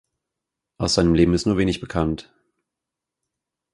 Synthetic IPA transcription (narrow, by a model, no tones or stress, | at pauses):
ʔaʊsz̥aɪnəmleːbm̩ɪstnuːɐveːnɪçb̥əkʰant